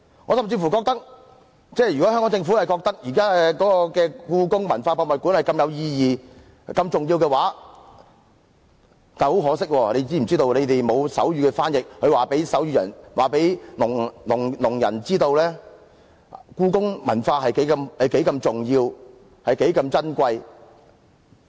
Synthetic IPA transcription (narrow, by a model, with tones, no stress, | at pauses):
ŋɔ˨˧sɐ˨mt͡si˧fuː˨˩kɔː˧k̚t̪ɐ˥k̚ | t͡sɛː˥˩jy˨kɔ˨˥hœ˥kɔ˨˥ŋt͡sɪ˧ŋfu˨˥˨jkɔː˧k̚t̪ɐ˥k̚jiː˨˩kaː˥kɔː˨˥kɔː˧kɛː˧kuː˧kʊ˥ŋmɐ˨˩nfaː˧pɔː˧mɐ˨t̚kuː˨˥nhɐ˨jkɐ˧mjɐ˨˧wjiː˧jiː˨ | kɐ˧mt͡sʊ˨ŋjiː˧wkɛː˧waː˨˥ | t̪aː˨˩ho˨˥wɦɔː˨˥sɪ˥k̚wɔː˧ne˨˧jt͡siː˥m̩˨˩t͡siː˥t̪o˧wne˨˧jt̪e˨jmo˨˧wsɐ̰˨˥wjyː˨˧kɛː˧faː˥njɪ˨k̚hɵ˨˧ɥwaː˨˩pe˨˥jsɐ˨˥wjyː˧˩jɐ̰˨˩nwaː˨˩pe˨˥jlʊ˨˩ŋlʊ˨˩ŋlʊ˨˩ŋjɐ̰˨˩nt͡siː˥t̪o˧wlɛː˥ | kuː˧kʊ˥ŋmɐ̰˨˩nfaː˧ɦɐ˨jke˨˥kɐ˧mhɐ˨jke˨˥jkɐ˧mt͡sʊ˨˩ŋjiː˧w | hɐ˨jke˨˥jkɐ˧mt͡sɐ˥nkʷɐ˧j